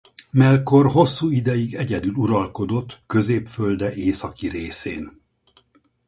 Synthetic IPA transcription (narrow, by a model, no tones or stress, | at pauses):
mɛlko̞rɦo̞sːuːid̪ɛjiɡɛɟɛd̪yluɾɒlko̞d̪o̞t̪ːkø̞zeːpføld̪ɛʔeːsɒkiɾeːsḛːn